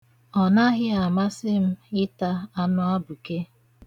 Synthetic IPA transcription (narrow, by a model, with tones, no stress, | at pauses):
ɔ˨na˦ɣɪ˦a˨ma˦sɪ˦m̩˦ɪ˦ta˦a˦nʊ˦a˦bʊ˨ke˦